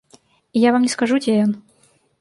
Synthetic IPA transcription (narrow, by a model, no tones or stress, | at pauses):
ijavamnʲɛskaʐut͡sʲɛjɔn